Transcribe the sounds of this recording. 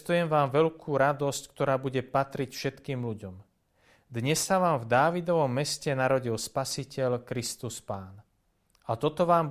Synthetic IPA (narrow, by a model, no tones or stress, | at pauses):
t̪ujɛmʋaːmʋɛʎkʰuːɾad̪ɔsckt̪ɔɾaːbuɟɛpat̪ɾicfʃɛt̪kiːmʎuɟɔm | d̪ɲɛsːaʋaːmvd̪aːʋid̪ɔʋɔmːɛscɛnaɾɔɟilspasicɛʎkɾist̪uspaːn | at̪ɔt̪ɔʋaːm